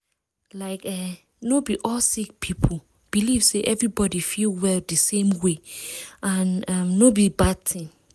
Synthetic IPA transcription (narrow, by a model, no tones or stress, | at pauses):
laɪkɛ | nobiʔɔlsik̚pʰipʰo | b̥iliv̥seʔɛvɹibɔdifilwɛldəsẽmweʔãnamnobibad̚tʰĩŋ